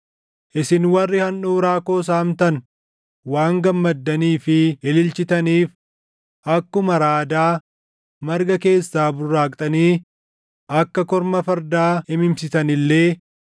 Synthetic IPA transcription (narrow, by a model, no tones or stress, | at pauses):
ʔɪsɪnwɐrːɪhɐnuːɾaːko̞ːs̬aːmt̪ɐn | waːŋɡɐmːɐd̪ːɐniːfɪɪlɪlt͡ʃɪt̪ɐniːf | ʔɐkːʊmɐɾaːd̪aː | mɐɾɡɐke̞ːsːaːbʊrːaːkʼt̪ʼɐniː | ʔɐkːɐkɔɾmɐfɐɾd̪aːɪmɪmsɪsɐnɪlːe̞ː